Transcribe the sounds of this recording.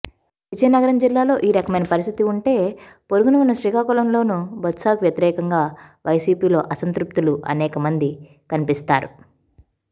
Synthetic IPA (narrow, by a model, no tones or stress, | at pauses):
ʋid͡ʒɐjnɐɡɐɾɐmd͡ʒilːaːlo̞ːʔiːɾɐkɐmɐjnɐpɐɾist̪ʰit̪iuɳʈe̞ːpoɾuɡunɐʋunːɐʃɾikaːkulɐmlo̞ːnubɐt̪saːɡʋjɐt̪iɾɛːkɐŋɡaːʋʔɐjsiːpiːlo̞ːʔɐsɐnt̪ɾup̚t̪uluʔɐ̰nɛːkɐmɐnd̪i | kɐnipist̪aːɾu